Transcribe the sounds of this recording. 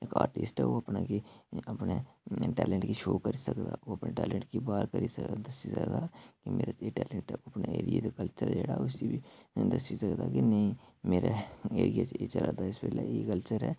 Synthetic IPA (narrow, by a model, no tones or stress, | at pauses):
eːkaːɾʈɪsʈɦɛʋoɐpnakiɐpneʈɛːlɛ̃ɳʈkiʃoːkɐɾisɐkd̪aːoɐpneʈɛːlɛ̃ɳʈkibaːɾkɐɾisd̪ɐsisɐkd̪aːkimeːɾaeʈɛːlɛɳʈɛoɐpnaeːɾied̪kɐlt͡ʃəɾd͡ʒɛːɽaʊsibid̪ɐsisɐkd̪akinɐɦĩmeːɾaeːɾijat͡ʃet͡ʃɐɾʔad̪aɪsbeːlaekəlt͡ʃəɾɦɛː